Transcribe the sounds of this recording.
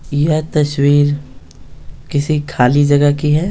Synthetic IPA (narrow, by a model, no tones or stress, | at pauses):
jɐt̪ɐswiːɾ | kɪsikʰaːlid͡ʒɐɡakiɦɛː